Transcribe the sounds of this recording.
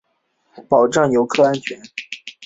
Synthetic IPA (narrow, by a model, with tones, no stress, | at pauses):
pɑ˨˩ʊʈ͡ʂɑ˥˩ŋjo˧˥ʊkʰɤ˥˧a˧˥nt͡ɕʰɥɛ˧˥n